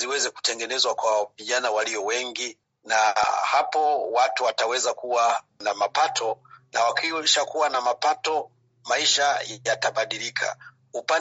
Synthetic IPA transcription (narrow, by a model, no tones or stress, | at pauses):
iwɛzɛku̥tɛŋɡɛnɛzwakwaviʄanawaliɔwɛŋɡi | nahapɔwatuwatawɛzakuwa | namapatʰɔna̰wakiʃakuwanamapatɔ | maiʃajataɓaɗilikʰa̰ | upa